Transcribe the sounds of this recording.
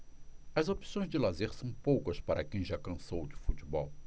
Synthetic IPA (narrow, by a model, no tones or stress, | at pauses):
ɐzopi̥sõj̃zd͡ʒɪlazeɾsɐ̃w̃powkɐspaɾʔɐkẽj̃ʒakɐ̃sowd͡ʒɪfut͡ʃɪbɔw